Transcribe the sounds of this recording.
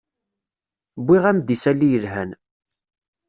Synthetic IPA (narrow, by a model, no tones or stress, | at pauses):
bːiʁæmd̪isælːijəlɦæn